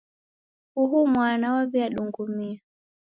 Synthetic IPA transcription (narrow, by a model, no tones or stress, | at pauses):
huɦumwanawaviaɗuŋɡumia